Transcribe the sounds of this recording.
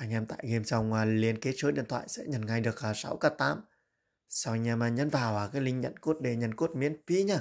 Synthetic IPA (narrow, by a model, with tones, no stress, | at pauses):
ʔa˧ŋʔɛ˧mt̪a̰ː˧˨jɣe˧mt͡ɕa˧˩wŋ͡maː˨˩li˧ənke˨˦t͡ɕəː˨˦ɗḭ˧˨nt̪ʰwa̰ː˧˨jsɛ̰˧˥ɲə˨˩nŋa˧˩jɗɨ˨˩ək̚aː˨˩sa˨˦wkaː˧˩t̪aː˨˦m | sa˧wʔa˧ŋ̟ʔɛː˧maː˨˩ɲə˧˥nvaː˨˩wʔaː˨˩kaː˨˦jlï˧ŋɲə̰˧˨nku˦˥ət̚ɗe˨˧˩ɲə̰˧˨nku˦˥ət̚mḭ˧˥ənfi˧˥ɲaː˧˩